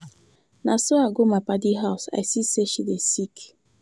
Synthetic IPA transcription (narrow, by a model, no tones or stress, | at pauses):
nasoaɡomapadiɦaʊsa̰jsiseʃidesik